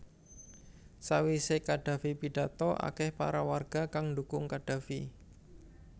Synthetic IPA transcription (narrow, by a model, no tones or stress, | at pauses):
sawisekaɖ̥ä̤fipiɖ̥a̤t̪ɔʔa̰kɛhpa̰ɾawarɡ̥a̤kaŋɳdukʊŋkaɖ̥ä̤fi